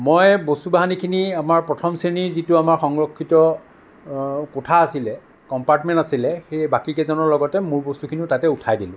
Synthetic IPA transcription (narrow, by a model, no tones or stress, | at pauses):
mojbostubaɦanikʰiniamaɹpɹɔtʰɔmseniɹzitʊamaɹxɔŋɹɔkʰːitɔ | kɔtʰaːsilɛ | kɔmpaɹtmɛ̃ntasilɛxejbakikɛzɔnɔɹlɔɡɔtɛmʊɹbɔstukʰiniʊtatɛutʰajdilʊ̃